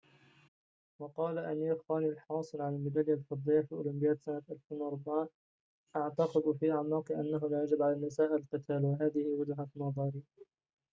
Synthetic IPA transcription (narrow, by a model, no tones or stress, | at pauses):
wɑqɑːlaʔaniːɾxaːnilħɑːsˤɨlʕanɪlmɪlaljalfɑd̪ˤːɨjafiːʔʊlʊmbɪjaːt̪sanat̪ʔalfeːnwɑɾˤbaʕa | ʔaʕt̪ɑqɪd̪fiːʔaʕmɑːqɨʔa̰nːaɦʊlaːjad͡ʒɪbʕalaːmasaːʔɪllqɨt̪ʰaːlwaɦaːðɪhɪwad͡ʒɦanɑðˤɑɾiː